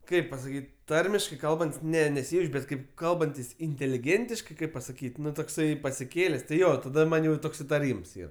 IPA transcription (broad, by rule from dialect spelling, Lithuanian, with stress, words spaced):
ˈkɐɪp pɐsɐˈkʲiːtʲ ˈtɐrʲmʲɪʃkɐɪ ˈkɐlˠbɐnʲtʲsʲ ˈnʲɛ nʲɛˈsʲɪjɛʊt͡ʃʲ ˈbʲɛt kɐɪp ˈkɐlˠbɐnʲtʲɪs ɪnʲtʲeːlʲɪˈɡʲeːnʲtʲɪʃkɐɪ ˈkɐɪp pɐsɐˈkʲiːtʲ ˈnʊ toːkˈsɐɪ pɐsʲɪˈkʲeːlʲeːsʲ tʲɪ ˈjoː tɐˈdɐ ˈmɐnʲ jɛʊ ˈtoːks ɪtɐˈrʲiːms ˈiːr